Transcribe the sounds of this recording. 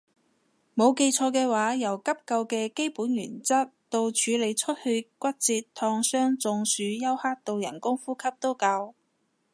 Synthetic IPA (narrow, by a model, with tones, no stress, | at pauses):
mo˨˧wke˧jt͡sʰɔː˧kɛː˧waː˨˥jɐ˨˩wkɐ˥p̚kɐ˧wkɛː˧ke˥jpuː˨˥njy̰ː˨˩nt͡sɐ˥t̚t̪o˧wt͡ʃʰyː˨˧le˨˧jt͡ʃʰɵ˥t̚hɵ˧kʷɐ˥t̚t͡siː˧tt̪ʰɔː˧ŋsœː˥ŋt͡sʊ˨˧ŋsyː˨˧jɐ˥whaː˥k̚t̪o˨˧wjɐ̰˨˩nkʊ˥ŋfuː˥kʰɐ˥p̚t̪o˥wkɐ˧w